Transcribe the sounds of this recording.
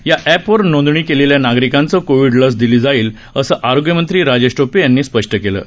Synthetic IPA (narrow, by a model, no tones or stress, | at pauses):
jaʔæpʋəɾnõnd̪ɳ̃iːkeleljanaɡɾikant͡səkoʋiɖləs̬d̪ilid͡zaiːl | əsəːʔaɾoɡjəmənt̪ɾiːɾad͡ʑeɕʈopejanːiːspəʂʈəkelə̰ː